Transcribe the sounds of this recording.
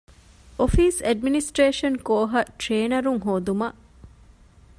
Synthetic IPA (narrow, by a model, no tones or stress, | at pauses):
ʔofiːsɐɖminisʈɾeːʃɐnkoːɦɐʈɾeːnɐɾuŋɦoːd̪umɐʔ